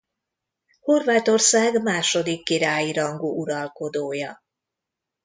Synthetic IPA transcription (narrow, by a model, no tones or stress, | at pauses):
ho̞rvaːt̪o̞rsaːɡmaːʃo̞d̪ikːiɾaːjiɾɒŋɡuʔuɾɒlko̞d̪oːjɒ